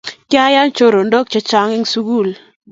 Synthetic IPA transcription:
ka˦ja˦nt͡ʃo˦ɾo˨ndo˦k̚t͡ʃe˨˦t͡ʃa˦ŋɪ˦ŋsu˦ɡu˦˨l

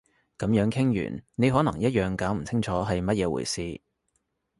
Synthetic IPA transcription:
kɐ˨˧˥mjœː˨˥ŋkʰɪ˥ŋjy̰ː˨˩nne˨˧jɦɔː˨˥nɐ˨˩ŋjɐ˥t̚jœː˨ŋkaː˨˥wm̩˨˩t͡sʰɪ˥ŋt͡ʃʰɔː˨˥ɦɐ˨jmɐ˥t̚jɛː˨˧wṵː˨˩jsiː˨˧

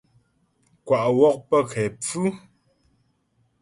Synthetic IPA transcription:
kwa˨ʔwɔ˦k̚pə˦kʰɛ˨p͡fʉ˦

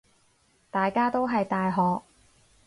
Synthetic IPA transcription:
t̪aː˨jkaː˥t̪o˥wɦɐ˨jt̪aː˨jɦɔː˨˧k̚

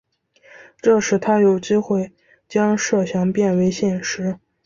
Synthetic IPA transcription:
ʈ͡ʂɤ˥˧ʂɻ̩˧˩t̪ʰa˥jo˨˩ʊt͡ɕi˥xwe˥˩ɪ | t͡ɕjɑ˥ŋʂɤ˥˩ɕjɑ˧˥ŋpjɛ˥˩nwe˧˥ɪɕjɛ˥˩nʂɻ̩˧˥

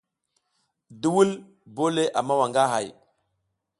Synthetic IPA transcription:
di˦wu˦l | bo˦le˦ʔa˨ma˦wa˨ŋɡa˦ɦa˨j

